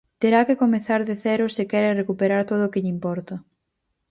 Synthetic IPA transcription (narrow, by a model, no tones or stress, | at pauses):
t̪eɾakekomeθaɾðeθɛɾʊsɪkɛɾerekupeɾaɾt̪oð̞oʊːkɪʎimpɔɾt̪a